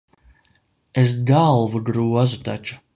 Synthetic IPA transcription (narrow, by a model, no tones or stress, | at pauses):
es̬dalˠvuɡɾuɔzut̪a̰t͡ʃu̥